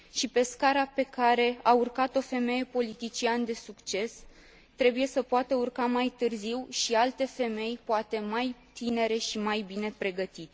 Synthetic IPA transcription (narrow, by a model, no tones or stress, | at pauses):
ʃipe̞skaɾape̞kaɾe̞aurkat̪o̞fe̞me̞je̞po̞lit̪it͡ʃiand̪e̞sukt͡ʃe̞s | t̪ɾe̞buje̞səpoat̪əurkamajt̪ɨrziwʃialt̪e̞fe̞me̞jpoat̪e̞majt̪ine̞ɾe̞ʃimajbine̞pɾe̞ɡət̪it̪